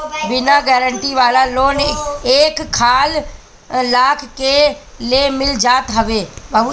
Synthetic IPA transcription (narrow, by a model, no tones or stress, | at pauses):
bɪnaɡɛːɾəɳʈiʋaːlaloːneːkkʰːaːl | laːkʰke | lemɪld͡ʒaːt̪ɦəʋeːbʱəʋ